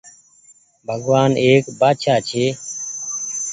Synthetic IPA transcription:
bʱəɡʋaːneːkbaːʃʰaːt͡ʃʰeː

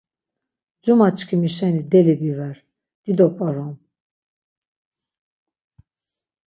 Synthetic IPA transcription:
d͡ʒumat͡ʃkʰimiʃɛnid̪ɛlibivɛɾ | d̪̥id̪ɔpʼaɾɔm

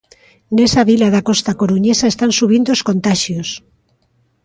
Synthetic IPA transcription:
nesaβilaðakost̪akoɾuɲesaest̪ansuβ̞ind̪oskõnt̪aʃjos

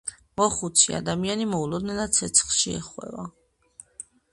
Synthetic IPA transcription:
mɔχut̪sʰḭa̰d̪amianimɔulˠɔd̪̚nɛnat̪sʰɛt̪sʰχʃiɛ̰χwɛ̰va

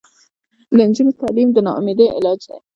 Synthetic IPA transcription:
lənd͡ʒunit̪ɑːlimd̪ənɑʔʊmed̪eʔɪ̰lɑːd͡ʒd̪a̰

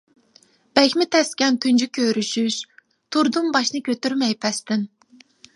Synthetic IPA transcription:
b̥ɛkʲmɪt̪ʰɛskʲɛnt̪ʰynd͡ʒykʲʰøɾyʃyʃ | t̪ʰuɾd̪umbɑʃnɨkʲøt̪yɾmɛjpʰɛst̪ɪn

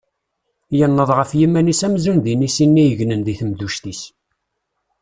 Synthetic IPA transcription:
jənːəðˤʁəfjimænisæmzunðinisinːijəʝnənðiθəmðuʃt̪is

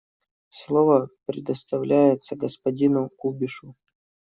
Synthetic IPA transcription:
slˠovəpɾʲɪd̪əst̪ɐvlʲʔæjɪt̪səɡəspɐdʲinʊkubʲɪʂʊ

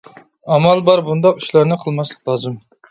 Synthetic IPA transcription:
ɑmɑlˠbɑɾbund̪ɑqy̥ʃlˠɑɾnɨqʰəlˠmɑslˠəqlˠɑːzɨm

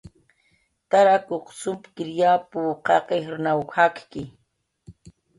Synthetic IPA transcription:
t̪aɾakoqsʊmpkɪɾjapuqɑqexɾnawxakkɪ

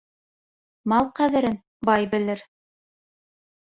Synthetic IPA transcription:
mɑlˠqæðɘ̆ɾɘn | bɑjbɘ̆lɘɾ

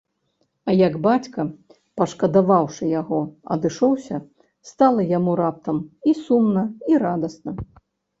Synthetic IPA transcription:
ɐjɐɡbat͡sʲkɐ | pɐʂkɐd̪avawʂɨjaɣɔɐ̰d̪ɨʂɔwsʲɐ | st̪alˠɐjamuɾap̚t̪ɐmisumnɐiɾad̪ɐsnɐ

